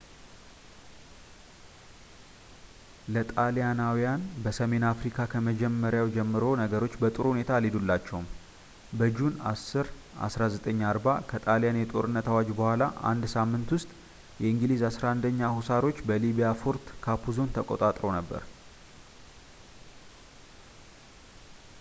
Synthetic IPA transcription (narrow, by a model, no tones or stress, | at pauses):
lət̪ʼalijanawijanbəsəme̞nafɾikʰakʰəməd͡ʒɛmːəɾjawd͡ʒɛmːɨɾo̞nəɡəɾo̞t͡ʃːbət̪ʼɨɾhunet̪ʰalid̪ulːat͡ʃːɛwum | bəd͡ʒuna̰sɨɾ | ʔa̰sɾazət̪ʼəɲːaɾbakʰət̪ʼalijanjɛt̪ʼo̞ɾɨnːət̪awad͡ʒbəhʷala̰a̰nd̪samːɨnt̪wʊst̪ʼ | jɛɨŋɡɨlizasɾaɨnd̪əɲːahusaɾo̞t͡ʃːbəliβijafoɾt̪kʰapʰuzo̞nt̪ʰəkʼot̪ʼat̪ʼɾo̞nəbːə̰ɾ